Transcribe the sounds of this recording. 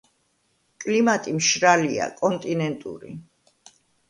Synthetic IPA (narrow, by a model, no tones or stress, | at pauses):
kʼlimat̪ʼimʃɾalia̰kʼɔnt̪ʼinɛnt̪ʼṵɾḭ